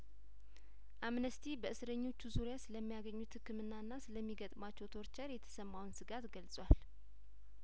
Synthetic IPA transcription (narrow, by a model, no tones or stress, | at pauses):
ʔamnəst̪ʰibəʔɨsɨɾəɲːo̞t͡ʃːuzuɾjasɨləmːijaɡəɲːut̪hɨkːɨmɨnːaɨnːasɨləmːiɡət̪ʼmat͡ʃːɛwt̪ʰoɾt͡ʃəɾjɛt̪ʰə̥səmːawnsɨɡat̪ɡəlsʼwal